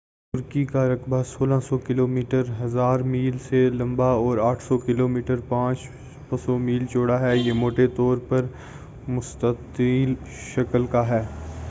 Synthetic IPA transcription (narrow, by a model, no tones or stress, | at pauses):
t̪ʊɾkikaɾɐkbʱasoːlãsɔkɪloːmiːʈəɾɦɐzaːɾmiːlselɐ̃mbaɔːɾaːʈʰsɔkɪloːmiːʈəɾpãːt͡ʃ | pɐsomiːlt͡ʃoːɽaɦɛːjeːmoːʈet̪ɔːɾpɐɾ | mʊst̪ətiːl | ʃɐkəlkaɦɛː